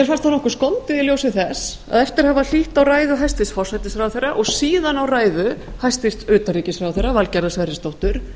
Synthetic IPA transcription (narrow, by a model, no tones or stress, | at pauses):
ɛɾ̥fanst̪hanɔhkʏɾ̥skɔnt̪ɪðɪljowsɪθɛs | a̰ðɛft̪ɪɾ̥haval̥iht̪awraːjðʏɦajst̪vɪst̪fɔrsajt̪ɪsfɾawθejrːaʔɔɣsiːðanawraːjðʏ | hajst̪vɪst̪œːt̪aɾiːcɪsfɾawθejrːavalcaɾðasvɛɾjɪst̪owht̪ʏɾ̥